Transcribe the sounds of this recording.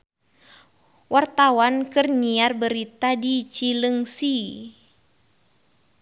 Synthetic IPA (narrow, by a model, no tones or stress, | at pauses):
wʔart̪awankɨrɲiarbəɾit̪adit͡ʃiləŋsi